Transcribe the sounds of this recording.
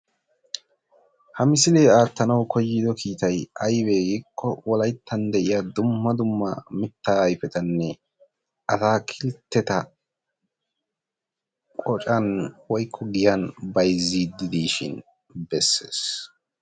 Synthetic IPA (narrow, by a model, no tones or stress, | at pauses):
hɐmɪsɪleːaːt̪ːɐnɐwkʰɔjːɪd̪ɔkʰiːt̪ɐjɐjbeːɡɪkʰːɔwɔlɐjt̪ʰːɐnd̪ɛʔɪjad̪ʊmːɐd̪ʊmːɐ̰mɪt̪ːaːɐjfɛt̪ɐnːɛ | ʔɐsaːkʰɪlt̪ːɛt̪ɐ | kʼɔt͡ʃʼɐnwɔjkʰːɔɡɪjanbɐjzːid̪ɪd̪iːʃɪ̰n | bɛsːeːs